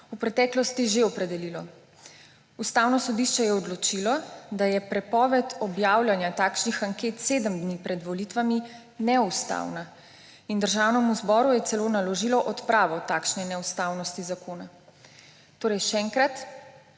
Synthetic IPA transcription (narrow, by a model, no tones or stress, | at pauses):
upɾɛt̪ɛːklɔst̪iʒeɔpɾɛd̪ɛlilɔ | ust̪aːwnɔsɔd̪iʃt͡ʃɛjɛɔd̪lɔt͡ʃilɔd̪ajɛpɾɛpɔʋɛt̪ɔbjaːwlʲjanjat̪aːkʃnixaŋkeːt̪seːd̪əmd̪nipɾɛd̪ʋɔlit̪ʋami | nɛust̪a̰wna | ind̪əɾʒaːwnɛmuzbɔːɾujɛt̪sɛloːnalɔʒilɔʔɔt̪pɾaːʋɔt̪aːkʃnɛnɛust̪awnɔst̪izakoːna | t̪oːɾɛjʃɛːŋkɾat̪